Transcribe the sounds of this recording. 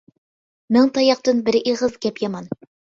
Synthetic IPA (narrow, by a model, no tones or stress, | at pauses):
mɤɴt̪ɑjɑq̚t̪ɤnbɘ̆ɾiʁɤzɡæpjɑmɑn